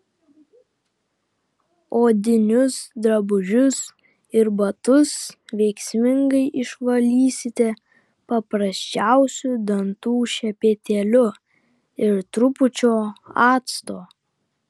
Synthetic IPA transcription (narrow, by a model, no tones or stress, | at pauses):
oːd̪ʲɪnʲʊsd̪ɾɐbʊʒʲʊs | ɪɾbɐt̪ʊsʋʲɛɪksʲmʲɪŋɡɐɪʔɪʃʋɐlʲiːsʲɪt̪ʲɛ | pɐpɾɐsʲt͡ʃʲæˑʊsʲʊd̪ɐnt̪uːʃʲɛpʲeːt̪ʲelʲʊ | ɪɾt̪ɾʊpʊt͡ʃʲoːɑːt̪st̪oː